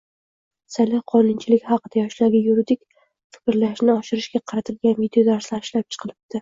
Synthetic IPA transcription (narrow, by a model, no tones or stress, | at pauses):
salɪhqʰɒnɪnt͡ʃʰɪlɪkʲhɑqɨd̪̥ajɒʃlaɾɡʲɪjuɾid̪ɪkʲ | fɪ̥kʲɪɾlaʃnɪɒʃɪɾɪʃɡʲaqʰɑɾat̪ʰɪlɡʲanvid̪eod̪aɾslaɪʃlap̚t͡ʃʰɨ̥qʰɨlˠɪp̚d̪̥ɪ